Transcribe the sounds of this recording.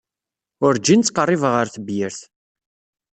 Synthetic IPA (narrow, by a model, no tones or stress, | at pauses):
ʊɾd͡ʒint͡sːqərˤːivʁəɾθəbjəɾθ